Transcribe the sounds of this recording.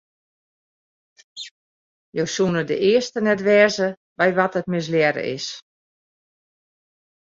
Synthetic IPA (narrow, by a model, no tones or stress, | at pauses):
jowsunədə̰ʔɪəstənɛtʋɛːzə | bɛjʋɔtət̚mɪs̬ljɛɾə̰ʔɪ̰s